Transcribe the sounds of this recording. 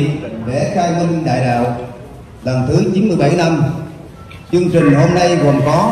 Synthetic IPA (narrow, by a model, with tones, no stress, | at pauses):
ɗḛ˧˩xaː˧jmi˧ŋ̟ɗa̰ː˧˨jɗa̰ː˧˨w | ɗə˨˩ŋt̪ʰɨ˨˦t͡ɕi˨˦nmɨ˧əjɓa˧˩jna˧m | t͡ɕɨ˧əŋt͡ɕï˨˩ŋ̟ho˧mna˧jɣə̰˨˩ŋ͡mkɔ˨˦